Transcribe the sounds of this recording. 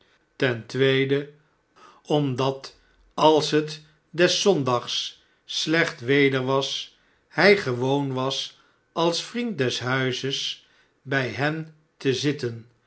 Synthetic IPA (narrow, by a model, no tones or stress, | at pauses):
tɛntʋejdə | ɔmdɑt | ɑlˠsɦət | dɛsɔndɑχsː | lɛχtʋejdəɹʋɑs | hɛjχəʋownʋɑs | ɑlˠsfrint̚dɛsɦœɥzəs | bɛjɦɛn | təzɪtən